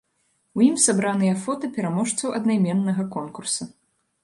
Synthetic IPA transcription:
wjimsabɾanɨjɐfɔt̪ɐpʲɛɾamɔʂt̪sɐwʔɐd̪najmʲɛnːɐɣɐkɔnkursɐ

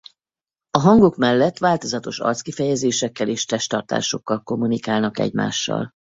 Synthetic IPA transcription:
ɒɦɒŋɡo̞kmɛlːɛt̪ːʋaːlt̪o̞zɒt̪o̞ʃɒ̰rt̪skifɛjɛzeːʃɛkːɛleːʃt̪ɛʃt̪ɒrt̪a̰ːʃo̞kːɒlko̞mːunikaːlnɒkɛ̰ɟma̰ːʃːɒ̰l

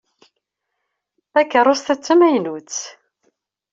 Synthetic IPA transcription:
ækːəɾˤost̪ət͡sːəmæjnut͡sː

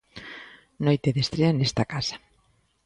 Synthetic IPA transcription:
nojt̪eðest̪ɾeanest̪akasḁ

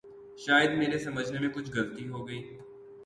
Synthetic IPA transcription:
ʃaːjəd̪meːɾesɐməd͡ʒʱnemẽkʊt͡ʃʰɡɐɾt̪iɦoːɡɐiː

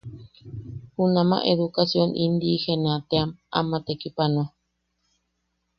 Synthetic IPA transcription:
hunãmã̰ʔeðukasjonʔind̪ihenat̪eama̰mat̪ekipano

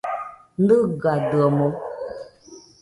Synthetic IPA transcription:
n̩dɨɡadəmo

